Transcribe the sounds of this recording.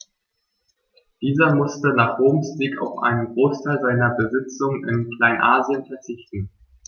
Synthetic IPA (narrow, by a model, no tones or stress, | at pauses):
d̥iːzɐmʊstənaːχʁ̥oːmsz̥iːka̰ʊfʔa̰ɪnənɡʁoːstʰaɪlzaɪnɐbəzɪt͡sʊŋənɪ̰nkl̥aɪnʔaːzjənfɛɐt͡sɪçtn̩